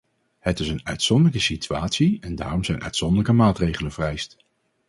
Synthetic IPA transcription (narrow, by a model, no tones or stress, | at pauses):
hətɪsənœɥtsɔndələkəsityaːtsiɛnda̰ːrɔmzɛjnʔœ̰ɥtsɔndələkəmaːtrejχələnvərɛjst